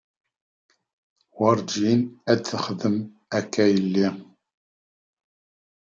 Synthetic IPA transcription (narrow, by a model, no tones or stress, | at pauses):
wəɾˤd͡ʒinæd̪θəχðəm | ækːæjəlːi